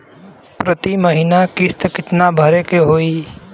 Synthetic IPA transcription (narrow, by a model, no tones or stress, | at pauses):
pɾət̪iməɦinakɪst̪kɪt̪nabʱəɾekeɦoːiː